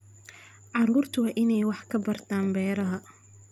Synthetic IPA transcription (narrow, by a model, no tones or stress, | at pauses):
ʕɑɾuːrt̪ʰʊwɑːʔɪnɛjwɑħkʰɐbɐrt̪ʰaːmbɛːɾɐɦɐ